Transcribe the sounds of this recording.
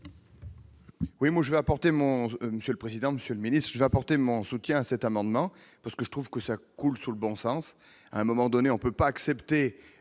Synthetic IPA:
wimwaʒəvɛapɔʁt̪emɔ̃məsjøləpχezid̪ɑ̃məsjøləminist̪χʒəvɛapɔʁt̪emɔ̃sut̪jɛ̃asɛt̪amɑ̃d̪mɑ̃ | paʁsə̥kəʒət̪χuvkəsakulsuləbɔ̃sɑ̃s | a̰ɛ̃mɔmɑ̃d̪ɔneɔ̃pøpaːksɛpt̪e

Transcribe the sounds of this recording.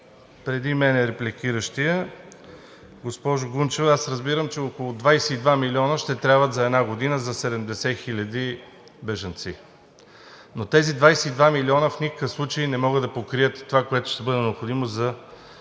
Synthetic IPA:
pɾɛd̪imɛnɛɾɛplʲikiɾəʃt̪iə | ɡospɔʒʊɡunt͡ʃɛvɛasɾəzbiɾəmt͡ʃɛokolˠʊd̪vajsɛid̪vamilʲiɔnəʃt̪ɛt̪ɾʲjabvət̪zɐɛd̪naɡod̪inəzɐsɛd̪ɛmd̪ɛsɛxilʲɐd̪i | bɛʒɐnt̪si | not̪ɛzid̪vajsɛid̪vamilʲiɔnəfnikə̥kəfslˠut͡ʃəinɛmɔɡəd̪ɐpokɾijət̪ːovakoɛt̪ʊ̥ʃt̪ɛbɤd̪ɛnɛopxod̪imozɐ

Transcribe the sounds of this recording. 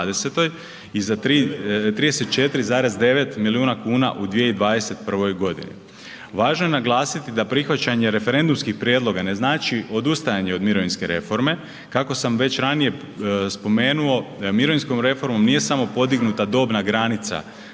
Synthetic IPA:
d̪eset̪o̞j | izat̪ɾit̪ɾiːd̪eset̪̚t͡ʃe̞t̪iɾizaːɾe̞zd̪e̞ʋe̞t̪miliuːnakuːna̰ʔud̪ʋijeid̪ʋaːd̪e̞se̞t̪̚pr̩ʋo̞jɡo̞d̪ḭnḭ | ʋaːʒnoje̞naɡlˠaːsit̪id̪apɾixʋat͡ɕaɲe̞ɾe̞fe̞ɾe̞nd̪umskixpɾjed̪lˠo̞ɡane̞znaːt͡ʃio̞d̪ust̪ajaɲe̞o̞d̪miɾoʋinske̞ɾe̞fo̞ɾme̞ | kako̞samʋe̞t͡ɕɾanije̞ | spo̞me̞ːnuo̞miɾo̞ʋinsko̞mɾe̞fo̞ɾmo̞mnije̞samo̞po̞d̪iɡnut̪ad̪o̞ːbnaɡɾanit̪sa̰

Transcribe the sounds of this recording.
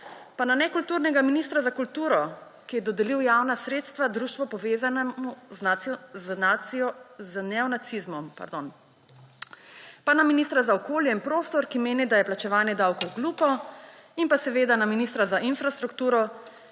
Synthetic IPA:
pananɛkult̪uɾnɛɡaminist̪ɾazakult̪uːɾɔ | kijɛd̪ɔd̪ɛliwjaːwnasɾeːt̪st̪ʋad̪ɾuːʃt̪ʋɔpɔʋeːzanmuznaznaɔznɛɔnat̪sizmɔmpa̰ɾd̪on | panaminist̪ɾazaɔkoːljɛinpɾoːst̪ɔɾkimeːnid̪ajɛplat͡ʃɛʋaːnjɛd̪awkɔwɡluːpɔinpasɛʋeːd̪anaminist̪ɾazaʔinfɾast̪ɾukt̪uːɾɔ

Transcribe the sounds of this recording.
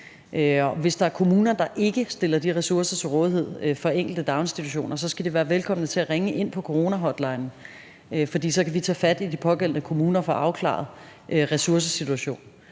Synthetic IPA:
ʔøɒ̽ʋe̝sd̥ɑ̈æɐkʰo̝muːnɐd̥ɑ̈ʔe̝ɡ̥əsd̥e̝lɐd̥iʁɛsuɐsɐt͡sʰe̝lʁɔ̽ːð̞ˠihe̝ð̞̰ˠfɒ̽eŋ̰ɡ̥l̩d̥əd̥ɑ̈ʊnsd̥it͡sʰuɕo̝̰ːnʔɐsɒ̽sɡ̥æd̥eʋæːɐʋelkʰɒ̽m̰nət͡sʰe̝æʁeŋəʔe̝n̰pʰɒ̽kʰoʁo̝ːnæɦɒ̽d̥lɑ̈ɪnn̩ | øfɒ̽d̥ḭːsɒ̽kʰæʋit͡sʰɛ̰ːfæd̥id̥ipʰɒ̽ɡ̥el̰nəkʰo̝muːnɐfɒ̽ʔɑ̈ʊkʰlɑ̰̈ð̞̩ˠ | ʔøʁɛsuɐs̬əsit͡sʰuæɕo̝̰ːn

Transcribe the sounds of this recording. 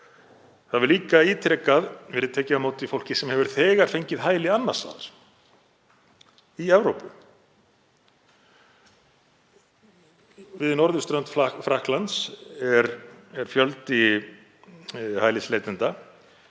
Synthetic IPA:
θaðvɛɾliːkaiːt̪ʰɾɛkaðvɛːɾɪðt̪ʰɛːcɪamoːwt̪ifowl̥cɪsɛmhɛvʏɾ̥θɛːɣaɾ̥fejɲcɪðɦaːjlɪanːḁst̪a̰ːðaɾ̥ | iɛvɾowpʏ | vɪðnɔɾðʏst̪ɾœnt̪ffɾahklant̪sɛɾɛɾ̥fjœlt̪i | haːjlɪsleːjt̪ɪnt̪a

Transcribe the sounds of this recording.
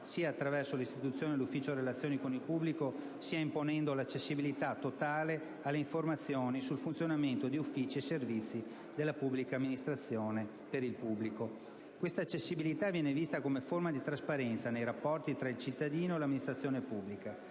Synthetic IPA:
siːaːt̪ːɾavɛrsolist̪it̪ut̪sːjoːnelufːiːt͡ʃorelat̪sːjoːnikonilpubliko | siːaimponɛnd̪olat͡ʃːesːibilit̪at̪ːot̪aːle | alːeiɱformat̪sːjoːnisulfunt̪sjonament̪od̪iufːiːt͡ʃieservit̪sːi | d̪elːapubːlikaːmːinist̪ɾat̪sːjoːne | peɾilpubːliko | kwest̪aːt͡ʃːesːibilit̪avjɛːnevist̪akomeformad̪it̪ɾaspaɾɛnt̪sanejɾapːɔrt̪it̪ɾailt͡ʃit̪ːad̪iːnoelamːinist̪ɾat̪sjoːnepubːlika

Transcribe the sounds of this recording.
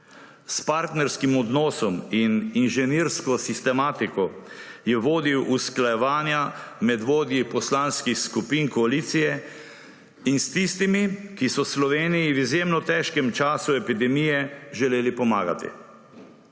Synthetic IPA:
spaɾt̪nɛɾskimɔd̪nɔːsɔmininʒɛniɾskɔsist̪ɛmaːt̪ikɔjɛʋoːd̪iwʔusklajɛʋaːnjamɛd̪ʋoːd̪jipɔslaːnskixskupiːnkɔaliːt̪sijɛ | inst̪ist̪imikisɔslɔʋeːnijiwizjeːmnɔt̪ɛːʃkɛmt͡ʃaːsuɛpid̪ɛmijɛʒɛleːlipɔma̰ːɡa̰t̪ḭ

